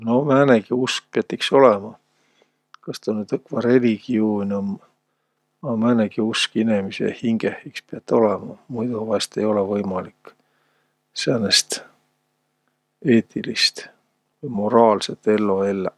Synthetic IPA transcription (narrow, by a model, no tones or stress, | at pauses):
nomæːneɡ̥iusk̚peɑt̪ːˑikso̞lɛmɑ | kɑst̪onːyt̪ɤkːvɑɾe̞liɡ̥ioːnʲom | ɑmæːneɡ̥iuskinemisḛhiŋɡ̥ehikspiɑt̪ːo̞lɛmɑmujd̪uvɑst̪e̞jo̞levɤjmɑlikː | sæːnest̪ | eːt̪ːˑilist̪ | vɤjmo̞ɾɑːlset̪ːe̞lːo̞e̞lːe